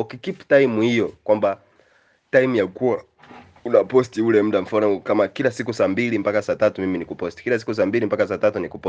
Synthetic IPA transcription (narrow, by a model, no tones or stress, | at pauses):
ukikiptajmuhijɔkwamba | taimujakuwa | unapɔstiulɛm̩dam̩fanɔkamakilasikusambilimbakasatatumiminikupɔsti̥kilas̬i̥kus̬ambilimpakasatatunikupɔ